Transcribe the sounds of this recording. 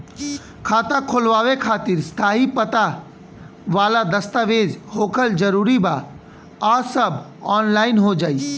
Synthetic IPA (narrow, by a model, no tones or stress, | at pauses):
kʰaːt̪akʰoːlʋaːʋekʰaːt̪ɪɾst̪ʰaːɦipət̪a | ʋaːlad̪əst̪aʋeːd͡ʒhoːkʰəld͡ʒəɾuːɾiba | asəbɔːnlaːɪnɦod͡ʒaːiː